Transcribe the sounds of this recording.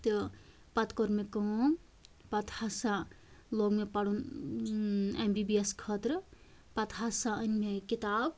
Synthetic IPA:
t̪ɨ | pɐt̪kɔɾmekəõ | pɐt̪hasa | loɡmepaɽun | embibieskʰət̪ɾ | pɐt̪ɦasaənmekit̪ab

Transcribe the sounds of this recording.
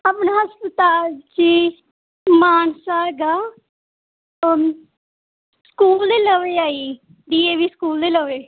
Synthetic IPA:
aːpnaːɦəspət̪aːlt͡ʃiː | maːnsaːɡaː | skuːld̪eːləʋeːaːiː | d̪iːeːʋiːskuːld̪eːləʋeː

